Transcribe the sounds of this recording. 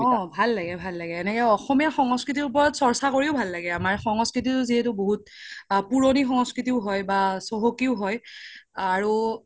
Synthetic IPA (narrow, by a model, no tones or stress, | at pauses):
ɔ̃bʱalːaɡɛbʱalːaɡɛːnɛkɔɔxɔmijaxɔŋɔskɹit̬iɹupɔɹɔtsɔɹsakoɹiʊbʱalːaɡɛamaɹxɔŋɔskɹit̬itʊziɦɛtʊboɦut̚ | puɹonixɔŋɔskɹitiʊɦɔjbasoɦokiʊɦɔj | aɹu